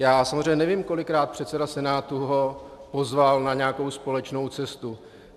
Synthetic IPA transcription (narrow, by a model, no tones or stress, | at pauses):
jaːsamozr̝eɲɛnɛviːmko̞lɪkɾaːt̪̚pr̥ɛt̪t͡sɛdasɛnaːt̪uɦo̞po̞zvalnaɲɛakowspo̞lɛt͡ʃno̞wt͡sɛst̪u